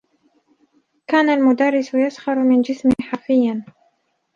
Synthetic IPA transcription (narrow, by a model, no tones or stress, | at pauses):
kaːnalmʊd̪arːɪsʊjasxɑɾmɪnd͡ʒɪsmɪħafɪjːan